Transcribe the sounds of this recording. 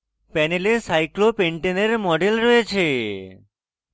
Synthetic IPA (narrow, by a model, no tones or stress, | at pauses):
pɛnelesajklopeɳʈeneɾmɔɖelɾɔet͡ɕʰe